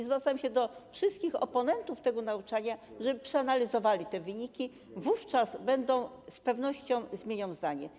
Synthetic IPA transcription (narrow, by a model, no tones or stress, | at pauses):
izvɾat̪sajmɕɛd̪ɔfʂɘst̪kʲixɔ̰pɔnɛnt̪uft̪ɛɡɔnaut͡ʂaɲaʐɛbpʂɛanalʲizɔvalʲit̪ɛvɘɲikʲi | vuft͡ʂazbɛnd̪ɔ̃w̃spɛvnɔɕt͡ɕɔ̃w̃zmʲjeɲaw̃zd̪aɲɛ